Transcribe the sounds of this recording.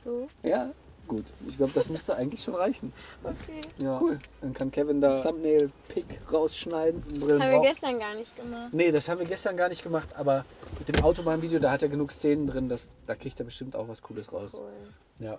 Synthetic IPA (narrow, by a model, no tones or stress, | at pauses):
z̥oːjaː | ɡ̥uːtɪçɡ̥laʊbədasmʊstuʔaɪɡŋ̩tlɪçʃoːnʁaɪçn̩okʰeːjaːuːld̥ankʰankʰɛvɪndaːamneːlpʰɪkʁaʊsʃnaɪdn̩bʁɪlam̩viɐɡɛstɐnɡaːɐnɪçtɡ̥əmaχtnədashaːbmviːɐɡɛstɐnɡaːɐnɪçt̚ɡ̥əmaχtʔaːbɐmɪt̚d̥eːmʔaʊtomaːn̩viːdejodaːhateːɐɡənuːkst͡seːnəndʁɪndasd̥aːkʁ̥içteːɐbəʃtɪmta̰ʊxv̥askʰuːləsʁa̰ʊs | jaː